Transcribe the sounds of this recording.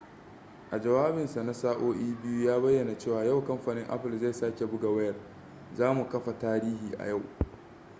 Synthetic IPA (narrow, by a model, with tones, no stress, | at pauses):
ʔa˨d͡ʒɐ˨waː˦bɪ˨nsa˨na˦saː˦ʔoː˦ʔiː˦bɪ˦ju˦jaː˦bɐ˦jːɐ˨na˨t͡ʃeː˦˨waː˨ja˦˨wkɐ˦mɸaː˨nɪ˦ŋʔa̰˦ɸɪ˨lza˦˨saː˦kʲe˨bʊ˦ɡa˨wɐ˦jɐ˨r | zaː˦mu˨kɐ˦ɸa˨taː˦ɾiː˦hiː˨ʔa̰˨ja˦˨w